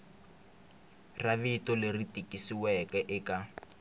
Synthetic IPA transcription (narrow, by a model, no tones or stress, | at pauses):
raβitɔleritikʼisiwɛkɛʔɪka